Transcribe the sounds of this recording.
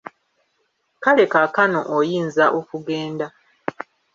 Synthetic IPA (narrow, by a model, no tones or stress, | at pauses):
kale̞kakano̞ʔojiːnzaʔo̞kuɡeːnda